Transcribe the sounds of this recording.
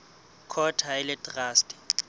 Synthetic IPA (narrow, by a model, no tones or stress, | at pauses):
kʰɔtʰaɛlɛtʼraːstʰʼi̥